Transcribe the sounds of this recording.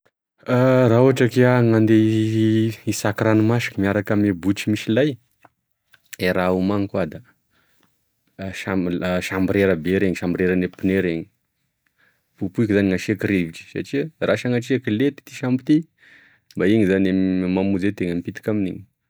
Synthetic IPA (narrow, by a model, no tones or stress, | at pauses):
arauaʈ͡ʂəkeaŋand̪e | isakɾanumasi̥kəmiaɾakamebut͡ʃimisilaj | eɾaumaŋikuad̪a | ʃaʃambiɾeɾəbeɾeɲiʃambiɾeɾənepineɾeɲi̥ | pupuikizaniŋaʃiakɾeviʈ͡ʂi̥sa̰ʈ͡ʂiraʃaŋaʈ͡ʂiakilet̪i̥t̪iʃampit̪i | mbaiŋizanammamud͡zet̪eŋəmipit̪i̥kaminiɲ